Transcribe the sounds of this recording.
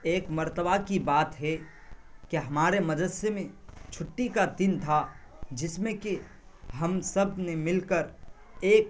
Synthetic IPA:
eːkməɾt̪əbʱakibaːt̪ɦɛ | keɦɐmaːɾeməd̪əsjəmẽt͡ʃʰʊʈːikad̪int̪ʰa | d͡ʒɪsmẽke | ɦəmsəbʱnemɪlkəɾ | eːk

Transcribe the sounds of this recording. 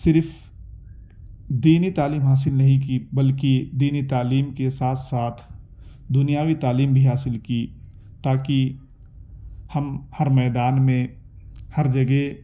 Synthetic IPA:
sɪɾf | d̪iːnit̪aːliːmɦaːs̬ɪlnɐɦĩk̬ibɐlkid̪iːnit̪aːliːmkesaːt̪ʰsaːt̪ʰ | d̪ʊnijaːʋit̪aːliːmbʱiɦaːsɪlki | t̪aːki | hɐmhɐɾmɛːd̪aːnmẽ | hɐɾd͡ʒɐɡe

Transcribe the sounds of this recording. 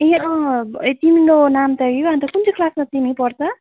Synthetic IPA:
ẽʌ̃t̪imiɾonamt̪ʌɡijoant̪ʌkunt͡sʰikʰlasmat̪imipʌrt͡sʰʌ

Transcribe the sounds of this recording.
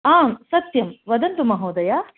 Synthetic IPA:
aːmsɐt̪jɐmʋɐd̪ɐnt̪umɐɦoːd̪ɐja

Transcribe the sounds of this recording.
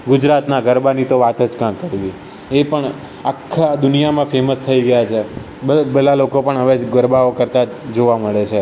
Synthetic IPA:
ɡʊd͡ʒɾat̪naɡəɾbanit̪oʋat̪əd͡ʒkamkəɾʋi | epəɳ | akʰːad̪ʊnijamãfeməst̪ʰəiɡəjat͡ʃʰe | əbəlalokopəɳɦəʋeɡəɾbaokəɾt̪a | d͡ʒoʋaməɭet͡ʃʰe

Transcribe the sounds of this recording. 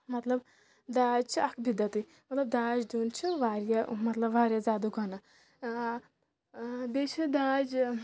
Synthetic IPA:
mɐt̪lɐb | d̪aːd͡ʒt͡ʃʰiɐkʰbid̪ɐt̪ɨi | mɐt̪lɐb̚d̪aːd͡ʒd̪uːnt͡ʃʰiʋaːɾjɐmɐt̪lɐbʋaːɾjɐzaːd̪uɡʱɐnɐ | bet͡ʃʰid̪aːd͡ʒ

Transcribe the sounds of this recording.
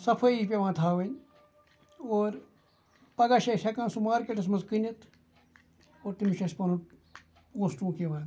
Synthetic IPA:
sɐpʰɐipʲeʋãːt̪ʰaːʋɐnʲ | oːɾ | pɐɡaʃesʲɐkãːsumaːɾkeʈɐsmɐzkɨnʲɐt̪ | oːɾt̪imiʃɐspɐnũ | oːsʈũːkeʋãː

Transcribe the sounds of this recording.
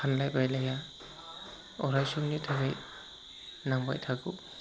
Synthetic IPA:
anlajbajlaja | ɔ̰ɾajsumnitʰaɡaj | naŋba̰jtʰaɡṵ

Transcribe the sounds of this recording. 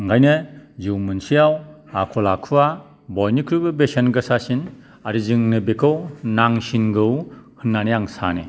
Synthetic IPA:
ŋɡajnɯzɯwmɯnsijaw | akʰɔlakʰuwa | bɔjnikʰɾubɯbesanɡɯsasin | aɾizɯŋnɯbekʰɯwnaŋsinɡɯwhɯnːanijaŋsa̰ne

